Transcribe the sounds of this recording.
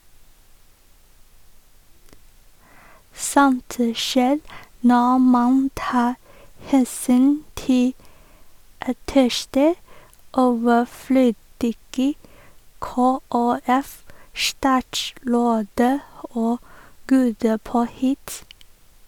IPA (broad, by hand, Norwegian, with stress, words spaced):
ˈsɔnt ə ˈʃeːɾ ˈnɔ ˈmɑn ˈtɑː ˈhɛsyːn ˈtɪ ɑˈtɛʃtə ˈoːʋəˌfløːdɪɡə ˌkoːæˈɛfˌʃtɑːtˌʃɾoːdə ˈoː ˈɡuːdə ˈpoːhɪt